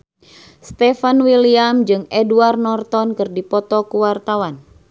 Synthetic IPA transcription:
st̪ɛfanwiliamd͡ʒɨŋɛduarnɔrt̪ɔnkɨrdipɔt̪ɔkuwart̪awan

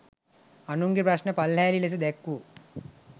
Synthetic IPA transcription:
ɐnuŋɡipɾɐʃnepɐlːeːliles̬id̪ekːu

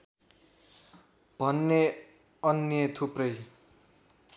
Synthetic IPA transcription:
b̥ʱʌnːe | ʌnjʌt̪ʰuprʌj

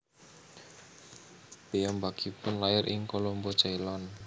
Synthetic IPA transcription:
b̥ejambakipʊnlaɪɾʔɪŋkolombɔ̥t͡ʃailɔn

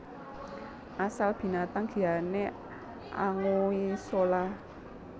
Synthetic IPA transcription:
ʔasalb̥i̤nat̪aŋɡ̥i̤ane | ʔa̰ŋoisolah

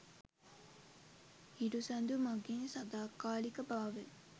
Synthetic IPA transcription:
iɖusand̪umaɡinsad̪aːkaːlikəbaːʋe

